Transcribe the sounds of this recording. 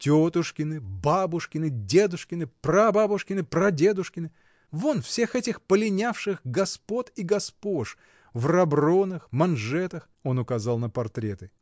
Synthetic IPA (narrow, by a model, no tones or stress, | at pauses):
tʲot̪ʊʂkʲɪnɨbabʊʂkʲɪnɨdʲe̞d̪ʊʂkʲɪnɨprɐbabʊʂkʲɪnɨpɾɐdʲe̞d̪ʊʂkʲɪnɨ | vo̞nfsʲe̞xɛtʲɪxpəlʲɪnʲafʂɨxɡɐspo̞t̪iɡɐspo̞ʂ | vrɐbronɨxmɐnʐɛt̪əx | onʊkɐzɑlˠnəpɐrt̪ɾʲet̪ɨ